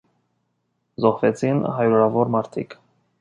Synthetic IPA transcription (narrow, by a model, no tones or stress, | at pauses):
zɔhvɛt͡sʰinhɑjɾɔɾɑvɔɾmɑɾt̪ʰḭkʰ